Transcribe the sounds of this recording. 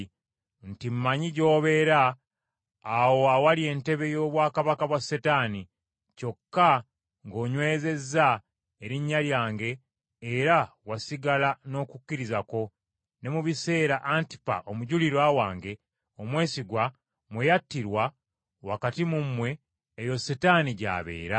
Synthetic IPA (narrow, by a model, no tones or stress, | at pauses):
ntimmaɲiɟo̞ːβe̞ɾaː | wo̞awalie̞ːnte̞βe̞jo̞ːβwaːkaβakaβwasːetani | co̞kːa | ŋɡo̞ːɲwe̞ːze̞zːa | eɾiɲːaljaːŋɡe̞ː | ɾawasiɡalano̞ːkucːiɾizako̞ | ne̞muβise̞ːɾaʔanti̥pa̰ʔo̞muɟuliɾwawaːŋɡe̞ | o̞mwe̞ːsiɡwa | mwejatːiɾwa | wakatimumːwe̞ː | jo̞setaniɟa̰ːβe̞̰ːɾa